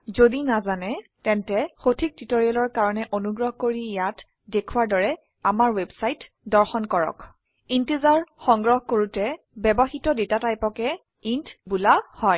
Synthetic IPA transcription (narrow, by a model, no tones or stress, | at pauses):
zodinazanɛtɛntɛxotʰik̚titoɹialɔɹkaɹɔnɛʔonuɡɹɔɦkoɹijat | dekʰuwaɹdɔɹɛ | amaɹwebsajt | dɔɹxɔnkɔɹɔ̰k | intezaɹxɔŋɡɹɔɦkoɹutɛ | bɛbɔxitɔdetatajpɔkɛ | intbulahɔj